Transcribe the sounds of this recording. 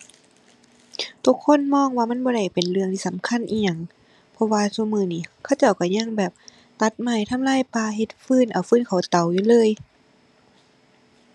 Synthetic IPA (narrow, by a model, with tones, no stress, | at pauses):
t̪ʰu˧˩kʰːo˧˥˨nmɔː˧˥˨ŋwaː˧ma˧˥˨nbɔː˧˦ɾa˧˩jpe˨nlɯ˧əŋt̪ʰiː˧sa˨˦mkʰa˧˥˨nʔiː˧˩ɲa˧˩˨ŋ | pʰɔ˧waː˧su˧mɯː˧˩niː˧˩kʰa˧˥˩wt͡ɕa˧˩wka˧˩ɲa˧˩˨ŋbɛː˨˩p̚ | t̪a˧˦t̪̚ma˧˩jt̪ʰa˧˨mlaː˧˥˨jpaː˧ɦe˧˦t̪̚fɯː˧˩˨nʔa˨˩wfɯː˧˥˨nkʰa˨˧˩wt̪a˨˩wjuː˧˦lɤː˧˥˨j